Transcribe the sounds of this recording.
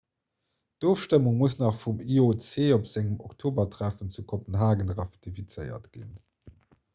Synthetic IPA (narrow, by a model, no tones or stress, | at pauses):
d̥oːfʃtəmuŋmuəsnɑχfumiot͡seːopz̥æŋəmɔktʰoːbɐtʰʁæfənt͡sukʰopənɦaːɡənʁɑftifit͡səɪɐ̰tɡ̥ḭn